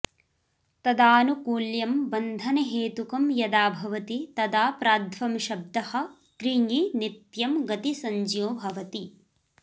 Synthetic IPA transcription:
t̪ɐd̪aːnukuːljɐmbɐnd̪ʱɐneɦeːt̪ukɐmjɐd̪aːbʱɐʋɐt̪it̪ɐd̪aːpɾaːd̪ʱʋɐmʃɐb̚d̪ɐhɐ̆ | t̪ɾiŋɡinit̪jɐmɡɐt̪isɐɲd͡ʒjoːbʱɐʋɐt̪i

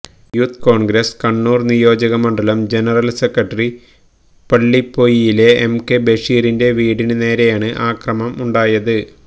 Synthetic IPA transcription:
juːt̪ːko̞ːɳɡɾɐskɐɳːuːrnijo̞ːd͡ʑɐɣɐmɐɳɖɐlɐmd͡ʑe̞nɐrɐlsekrɐʈːɐri | pɐɭːipːo̞jijile̞emkebeʂiːɾinde̞ʋiːɽinɨne̞ːɾejaːɳɨʔaːkrɐmɐmuɳɖaːjɐðɨ

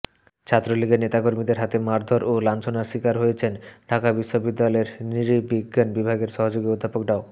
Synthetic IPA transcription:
t͡ɕʰat̪ːɾoliɡenet̪akoɾmid̪eɾɦat̪emaɾd̪ʱoɾʔolant͡ɕʰonaɾʃikaɾɦojet͡ɕʰenɖʱakabiʃːobid̪ːalɔeɾniɾibiɡːanbibʱaɡeɾʃɔɦod͡ʑoɡiod̪ʱːapokɖao

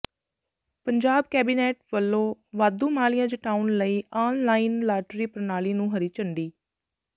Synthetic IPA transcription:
pəɲd͡ʒaːbkɛːbiːnɛːʈʋəlːõːʋaːd̪ːũːmaːlɪjãːd͡ʒəʈaːunləiːʔaːnlaːiːnlaːʈɾiːpəɾnaːliːnũːɦəɾiːt͡ʃəɳɖiː

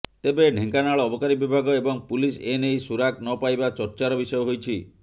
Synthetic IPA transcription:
t̪ebeɖʱiŋkanaɭɔːbʱɔkaɾibibʱaɡɔebɔŋpulisenejsuɾak̚nɔpajbat͡ʃɔɾt͡ʃaɾɔbisɔjɔɦojt͡ʃʰi

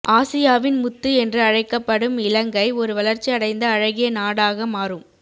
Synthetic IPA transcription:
ʔaːsɪjaːʋɪnmʊt̪ːɯɛndrɯɐɻɐɪkːɐpːɐɽɯmɪlɐŋɡɐɪɔɾɯʋɐɭɐɾt͡ʃːiɐɽɐɪnd̪ɐːɻɐɣɪjɐnaːɽaːɣɐmaːrɯm

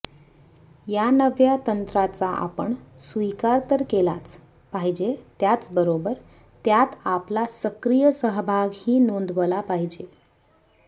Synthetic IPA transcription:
janəʋjat̪ənt̪ɾat͡saʔa̰pəɳsʋikaɾt̪əɾkelat͡s | paɦid͡ʑet̪jat͡sbəɾobəɾ | t̪jat̪aplasəkɾijəsəɦbʱaɡhiːnond̪ʋəlapaɦid͡ʑe

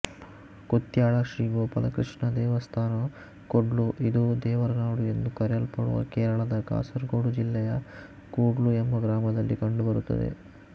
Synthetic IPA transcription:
kut̪ːjaːɭɐʃɾiːʋoːpɐlɐkɾiʂɳɐd̪ɛːʋɐst̪ʰaːnɐ | koɖluʔid̪ud̪ɛːʋɐɾɐnaːɽuje̞nd̪ukɐɾjɐlpɐɽṵʋɐ̰kɛːɾɐɭɐd̪ɐɡa̰ːsɐɾɡoːɽud͡ʒilːɛjɐ | kuːɖluembɐɡɾaːmɐd̪ɐlːikɐɳɖubɐɾut̪ːɐ̰d̪ḛ

